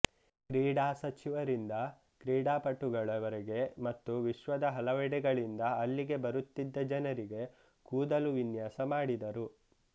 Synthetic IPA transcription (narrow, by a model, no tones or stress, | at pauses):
kɾiːɽaːsɐt͡ʃiʋɐɾind̪ɐ | kɾiːɽaːpɐʈːuɡɐɭɐʋɐɾeɡe̞mɐt̪ːuʋiʃʋɐd̪ɐɦɐlɐʋɛɽɛɡɐɭind̪ɐːlːiɡe̞bɐɾut̪ːid̪ːɐd͡ʒɐnɐɾiɡe̞ | kuːd̪ɐluʋinjaːsɐmaːɽid̪ɐɾu